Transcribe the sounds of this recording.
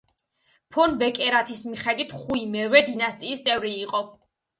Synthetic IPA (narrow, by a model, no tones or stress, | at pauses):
pʰɔnbɛkʼɛɾat̪ʰismiχɛd̪wit̪ʰχuimɛvɛd̪inast̪ʼiːst̪sʼɛvɾiːqʼɔ